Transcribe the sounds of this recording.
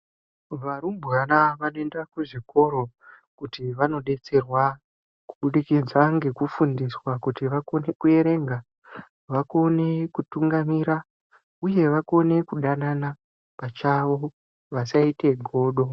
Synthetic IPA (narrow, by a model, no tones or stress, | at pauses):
ʋaɾumbʱɣanaʋanoe̞ndakuʐiko̞ɾo̞ | kutiʋano̞ɗe̞t͡se̞rwa | ku̥ɓuɗikid͡zaŋɡe̞kufundiswakutiʋako̞ne̞kue̞ɾe̞ŋɡa | ʋako̞ne̞kutuŋɡamiɾa | uje̞ʋako̞ne̞kuɗanana | pat͡ʃaʋo̞ | ʋasaite̞ɡʱo̞ːɗo̞